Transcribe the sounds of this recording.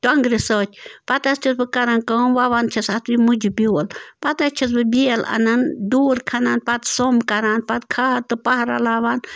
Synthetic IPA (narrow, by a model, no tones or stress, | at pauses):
t̪ɐŋɡɾisəːt͡ʃʰʲpɐt̪ɐst͡ʃʰɐsbɨkɐɾankənʋaʋant͡ʃʰɐsat̪ʰʋimud͡ʒubiːlpɐt̪ɐst͡ʃʰɐs̬bɨbʲiɐlɐ̰nɐnduːɾkʰɐnaːnpɐt̪somkɐɾaːnpɐt̪̚kʰaːɾt̪ɨpɐɦɾa̰laːʋaːn